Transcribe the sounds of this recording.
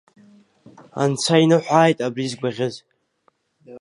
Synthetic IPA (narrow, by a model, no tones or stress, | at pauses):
a̰nt͡sʷʰainɨħʷaːjtʼabrizɡʷaʁʲɪz